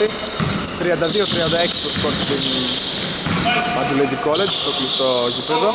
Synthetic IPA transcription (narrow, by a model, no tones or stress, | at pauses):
i | t̪ɾiɐnd̪ɐðiot̪ɾiɐnd̪ɐeksi̥t̪ospoɾt̪id̪in | mɐd̪uledikoled͡ʒst̪oklist̪otipeðo